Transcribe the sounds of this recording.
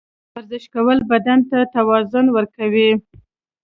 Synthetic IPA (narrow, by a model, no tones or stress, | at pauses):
waɾzɪʃkawəlbad̪ant̪at̪awɑzʊnwəɾkawi